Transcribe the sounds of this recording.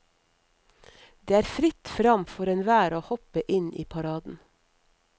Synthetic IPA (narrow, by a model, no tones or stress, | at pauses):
d̪̥eːæːɾfɾɪt̪fɾɑmfɔɾɛnʋæːɾoːhɔpəʔɪnʔḭːpʰɑɾɑːd̪n̩